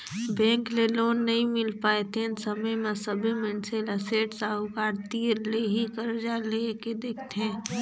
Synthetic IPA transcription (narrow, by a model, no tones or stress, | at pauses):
bɛ̃ːŋkleloːnːɐɦĩmɪlpaːet̪ɦẽsəməjmẽsəbʱimɪnseləseːʈsaːʊkaːɾt̪iːɾleɦikəɾd͡ʒaleked̪eːkʰt̪eɦɛ̃ː